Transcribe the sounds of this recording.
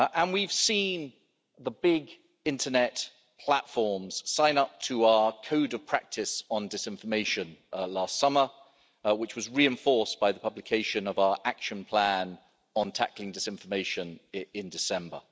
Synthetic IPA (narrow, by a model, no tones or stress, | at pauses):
ʔə̃nwiv̥sĩn | ðəbɪɡ | ɪ̃ntʰənɛt | pʰl̥atfɔɹmz̥sãɪ̃nʌp̚tʰəaʊəkʰəʊdəv̥pʰɹ̥æk̚tʰɪsn̩dɪsɪ̃ɱfəmeɪʃə̃nlɑˑstsʌmə | wɨt͡ʃwɒzɹiɨ̃ɱfɔˑɹsb̥aɪðəpʰʌblɪkʰeɪʃə̃nʌvaʊəɹʔakʃə̃npʰl̥æ̃n | ə̃ntʰæ̰klɪ̃ŋdɪsɪ̃ɱfəmeɪʃə̃nɪ̃ndɪsɛ̃mbə̰